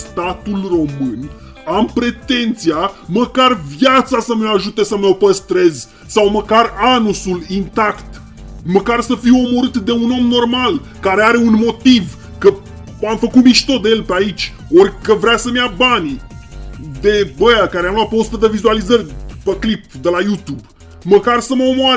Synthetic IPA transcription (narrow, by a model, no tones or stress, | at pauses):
st̪at̪ulro̞mɨn | ampɾe̞t̪e̞nt̪siaməkarvjat̪sasəməaʒut̪e̞səməopəst̪ɾe̞zʲ | sawməkaranusulint̪akt̪ | məkarsəfiwo̞mo̞ɾɨt̪d̪e̞uno̞mno̞rmal | kaɾe̞aɾe̞unmo̞t̪iv | kə | amfəkut̪miʃt̪o̞d̪eje̞lpeait͡ʃʲ | o̞rʲkəvɾeasəmjabanʲi | d̪e̞bəjakaɾeamlwat̪̚peost̪əd̪əvizualizərʲpeklip̚d̪elajut̪ub | məkarsəməo̞moaɾ